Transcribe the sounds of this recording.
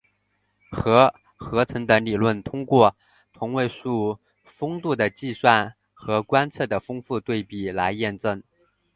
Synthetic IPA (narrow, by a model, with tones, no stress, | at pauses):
xɤ˧˥ | xɤ˧˥t͡sʰɤ˧˥ŋd̪ə˧˥ŋli˨˩lwə˥˩nt̪ʰʊ˥ŋkwɔ˥˩ | t̪ʰʊ˧˥ŋwe˥˧ɪʂu˥˩ | fɤ˥ŋt̪u˥˩d̪ə˩t͡ɕi˥˧swa˥˩n | xɤ˧˥kwa˥nt͡sʰɤ˥˩d̪ə˩fɤ˥ŋfu˥˧t̪we˥˩ɪpi˨˩la˧˥ɪjɛ˥˧nʈ͡ʂɤ˥˩ŋ